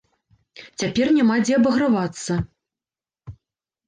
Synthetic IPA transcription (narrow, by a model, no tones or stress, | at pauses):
t͡sʲapʲɛrnʲamad͡zʲɛɐbɐɣɾavat̪sːɐ